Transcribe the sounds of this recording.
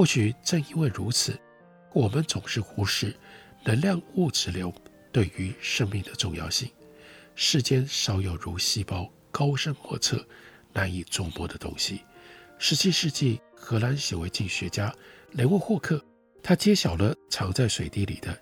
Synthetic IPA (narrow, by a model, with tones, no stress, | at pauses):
xwɔ˥˩ɕy˨˩ʈ͡ʂɤ˥˧ŋi˥nwe˥˩ɪɻu˧˥t͡sʰɹ̩˨˩˦ | wɔ˨˩mə˦nt͡sʊ˨˩ŋʂɻ̩˥˩xu˥ʂɻ̩˥˩ | nə˧˥nljɑ˥˧ŋu˥˩ʈ͡ʂɻ̩˧˥ljo˧˥ʊt̪we˥˩ɪy˧˥ʂə˥˧ŋmi˥˩ŋd̪ə˩ʈ͡ʂʊ˥˧ŋjɑ̰˥˧ʊɕi˥˩ŋʂɻ̩˥˩t͡ɕjɛ˥nʂɑ˧˥ʊjo˨˩ʊɻu˧˥ɕi˥˧pɑ˥ʊ | kɑ˥ʊʂə˥nxwɔ̰˥˧t͡sʰɤ̰˥˩ | na˧˥ni˨˩t͡sʊ˥˩ŋpwɔ˥d̪ə˨t̪ʊ̰˥ŋɕi˨ʂɻ̩˧˥t͡ɕi˥˧ʂɻ̩˥˧t͡ɕi˥˩xɤ˧˥la˧˥nɕjɛ˨˩we˧˥ɪt͡ɕi˥˩ɕɥɛ˧˥t͡ɕja˥le˧˥u˥˧xwɔ˥˧kʰɤ˥˩ | t̪ʰa˥t͡ɕjɛ˥ɕjɑ˨˩ʊlə˦t͡sʰɑ˧˥ŋt͡sa˥˩ɪʂwe˨˩ɪt̪i˥˩lḭ˨˩d̪ə˦